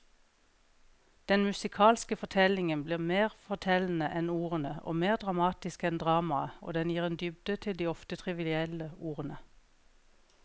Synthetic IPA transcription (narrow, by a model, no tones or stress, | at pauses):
d̪̥ɛnmʉsɪkʰɑːlskəfɔt̪ʰɛlɪŋənbliːʁmeːʁfɔʁt̪ʰɛln̩əʔɛnuːʁənəʔo̰ːmeːʁd̪ʁɑmɑːt̪ɪskɛnd̪ʁɑːmɑəo̰ːd̪ɛnjiːʁeːnd̪ʏbd̪ət̪ʰɪld̪iːɔft̪ət̪ʰʁɪʋɪlɪɛləuːʁənə